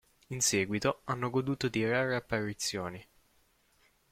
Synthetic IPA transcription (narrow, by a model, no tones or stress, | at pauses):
insɛːɡwit̪oanːoɡod̪uːt̪ot̪iɾaːɾeapːaɾit̪sːjoːni